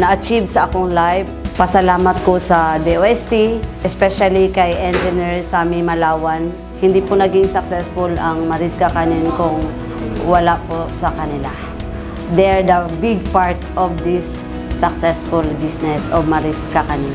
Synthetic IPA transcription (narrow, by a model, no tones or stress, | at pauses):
nɐʔɐt͡ʃivsɐʔɐkoŋlajvpɐsɐlaːmɐt̪̚kosɐd̪ɛʔoʔɛst̪iʔɛspɛʃalikɐjʔɛnd͡ʒɪnɛɹsaːmimɐlaːwɐn | hɪnd̪ipʊnɐɡɪŋsɐksɛsfʊlɐŋmɐɾɪskɐkɐnɪnkʊŋ | wɐlaʔposɐkɐnɪla | d̪ɛɹd̪ɐbiɡ̚paɹt̪ʔɔvd̪ɪsː | ɐksɛsfʊlbisnɛsoɡ̚mɐɾiskɐkɐnɪn